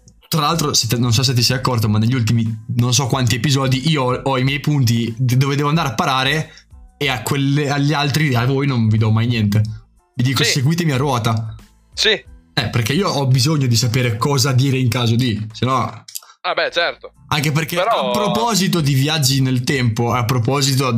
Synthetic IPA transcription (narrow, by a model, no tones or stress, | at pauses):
t̪ɾalalt̪ɾoset̪ːenonsɔs̬et̪̬ːisɛjd̪akːɔrt̪omanːeʎːult̪̬iminons̬ɔkːwant̪iepizɔːd̪iʔiːoɔimjɛjpunt̪id̪oːved̪ɛːvoand̪aɾeapːaɾaːɾeeakweleaʎːialt̪ɾiavojnoɱvid̪ɔmajnjɛnt̪e | vid̪iːkoseɡwiːt̪emiarwɔːt̪a | siɛperk̟eiːoʔɔbizoɲːod̪isapeːɾekɔːzad̪iːɾeiŋkaːzod̪isenɔabɛt͡ʃɛrt̪oaŋkep̬erkeapːɾopɔːzit̪od̪ivjad͡ʒːinelt̪ɛmpoapːɾopɔːzit̪o